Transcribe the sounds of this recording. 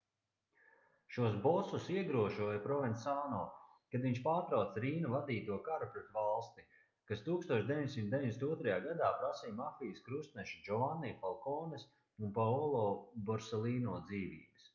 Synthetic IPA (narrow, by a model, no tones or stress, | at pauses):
ʃuɔs̬bɔsusiɛɡɾuɔʒuɔjapɾɔvɛnsaːnɔːkad̪viɲʃpaːɾt̪ɾawt̪sɾiːnuvad̪iːt̪uɔkaɾupɾɛt̪valˠst̪i | kast̪uːkst̪uɔt͡ʃʃd̪evʲiɲʲsimt̪d̪eiɲdʲesʲt̪uɔt̪ɾajaːɡad̪aːpɾasijmafijəskɾust̪nɛʃid͡ʒɔvanːiːfalˠkɔːnes | unpaɔlˠɔːbɔɾsɛlˠiːnɔːd̪ziːvḭːbɨs